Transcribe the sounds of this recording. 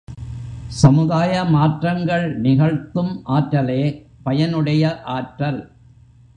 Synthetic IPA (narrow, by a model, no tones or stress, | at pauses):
sɐmɯðaːjɐmaːʈrɐŋɡɐɭnɪɣɐɻt̪ːɯmʔaːʈɾɐleː | pɐjɐnɯɽɐjɐʔaːʈɾɐl